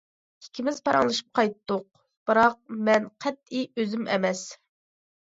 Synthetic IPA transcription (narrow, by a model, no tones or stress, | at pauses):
ikʲʰimɪzpʰɑɾɑŋlˠɨʃɨ̥p̚qʰɑjt̪ːʊq̚ | b̥ɨɾɑq̚mɛnqʰɛt̪̚iøzɪmɛ̰mɛs